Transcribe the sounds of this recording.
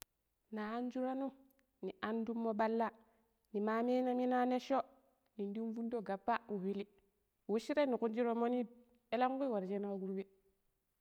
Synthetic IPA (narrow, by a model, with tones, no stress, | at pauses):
naː˨˦n˦d͡ʒu˦ɾa˦nu˦ | ni˨a˨ndu˦mːo˦ɓa˦lːa˦ | ni˨ma˨me˦na˦mi˦na˦ne˦ʃo˦ | ni˨ndi˦n˦vu˦ndo˦˨ɡa˨pːa˦wu˨wi˦li˦˨ | wu˦ʃi˦ɾe˦ni˨ku˦nd͡ʒi˦ɾo˦mo˦ni˦ | e˦la˦ŋ˦ɡu˦i˦wa˨ɾd͡ʒe˦na˦ɡu˦ɾwe˦